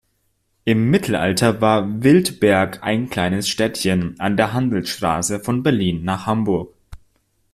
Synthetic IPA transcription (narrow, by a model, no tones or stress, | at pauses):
ʔɪmːɪtʰl̩ʔa̰ltɐvaːɐvɪltb̥ɛɐkaɪnkl̥aɪnəsʃtɛtçənʔandeːɐɦandl̩sʃtʁ̥a̰ːsəfɔnbɛɐliːnːaːχhambʊɐk̚